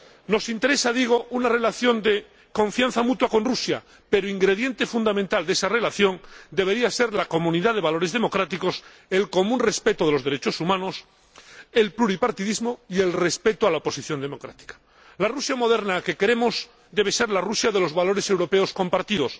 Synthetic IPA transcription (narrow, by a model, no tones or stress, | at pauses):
no̞sint̪e̞ɾe̞saðiɣ̞o̞ʔunare̞laθjo̞nd̪e | kõ̞ɱfjan̟θamut̪wako̞nrusja̰ | pe̞ɾoiŋɡɾe̞ðje̞nt̪efund̪amẽnt̪ald̪esare̞laθjo̞nd̪e̞β̞e̞ɾiase̞ɾlako̞mũniðaðe̞βalo̞ɾe̞zðe̞mo̞kɾat̪iko̞s | e̞lko̞mũnre̞spe̞t̪oðelozðe̞ɾet͡ʃo̞sumãnos | e̞lpluɾipaɾt̪iðizmoie̞lre̞spe̞t̪oalaopo̞siθjo̞nd̪e̞mo̞kɾat̪i̥kḁ | larusjamo̞ðe̞ɾnake̞ke̞ɾe̞moz | d̪e̞β̞e̞se̞ɾlarusjaðe̞lo̞zβalo̞ɾe̞se̞wɾo̞peosko̞mpaɾt̪iðo̞s